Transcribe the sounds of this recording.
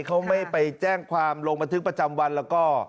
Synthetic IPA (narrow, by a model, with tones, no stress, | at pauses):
kʰa˦˥wma˥˩jpa˧jt͡ɕɛː˥˩ŋkʰwaː˧mloː˧ŋba˧nt̪ʰɯ˦˥kpɾa˧t͡ɕa˧mwa˧nlɛː˦˥wkɔː˥˩